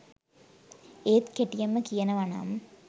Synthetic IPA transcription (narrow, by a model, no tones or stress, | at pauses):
eːt̪keʈːɪjɐmɐkijɐnɐʋɐna̰ːm